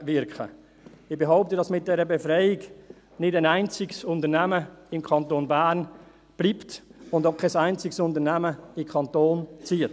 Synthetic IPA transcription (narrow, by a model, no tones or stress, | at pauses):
vɪɾkχə̰ | ɪb̥eɦaʊp̚tədɑsmɪt̚d̥ɛɾəbefɾɛɪɪɡ | nɪdæɪnæɪnt͡sɪɡsʊntənæməɪmkʰɑntoːnbæːɾn | b̥liːptʊndokʰːaɪsæɪnt͡sɪksʊntəɾnæməɪkʰɑntoːnt͡siət